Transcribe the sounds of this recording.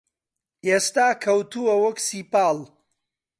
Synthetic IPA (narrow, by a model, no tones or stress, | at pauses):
eːst̪aːkʰɐwt̪ʰuwɐwɐksiːpaːl